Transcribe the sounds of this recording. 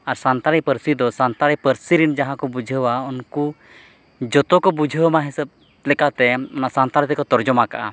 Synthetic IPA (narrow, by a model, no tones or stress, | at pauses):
aɾsant̪aɾipəɾsid̪ɔsant̪aɾipəɾsiɾind͡ʒaɦãkɔbud͡ʒʱəwaɔnku | d͡ʒɔt̪ɔkɔbud͡ʒʱəwmaɦisəb̚ | lɛkat̪ɛɔnasant̪aɾt̪ɛkɔt̪ɔɾd͡ʒɔmakaʔa